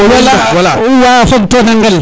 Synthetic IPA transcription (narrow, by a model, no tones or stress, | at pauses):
walawalauwafoɡtonaŋɡəl